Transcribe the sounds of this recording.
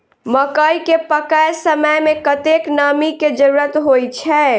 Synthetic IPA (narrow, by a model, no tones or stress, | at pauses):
məkəikepəkəjsəməjmẽkət̪eknəmiked͡ʒəɾuɾət̪ɦojt͡ʃʰɛ